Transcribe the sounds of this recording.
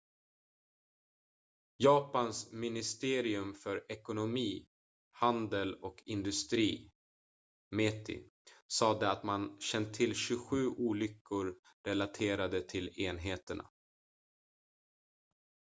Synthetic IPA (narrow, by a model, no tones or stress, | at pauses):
jɑːpansmɪnɪst̪eːɾɪɵmfœɾɛkʊnʊmiː | hand̪əlɔkʰɪnd̪ɵst̪ɾiː | met̪ʰɪ̰ | sɑːd̪əat̪manɕɛnt̪t̪ʰːɪlːɕɵɧʉ̟ːʔuːlʏkʰːʊɾ | ɾɛlat̪ʰeːɾad̪ət̪ʰɪleːnɦeːt̪əɳa̰